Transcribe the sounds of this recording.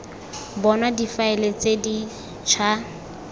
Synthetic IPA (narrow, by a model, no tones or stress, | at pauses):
bɔnadifaɪlet͡sedi | t͡ʃʰa